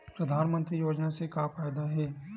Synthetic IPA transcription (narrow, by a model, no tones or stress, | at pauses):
pɾɐd̪ʱaːnmə̃nt̪ɾijoːd͡ʒnasekafaːjd̪aɦɛː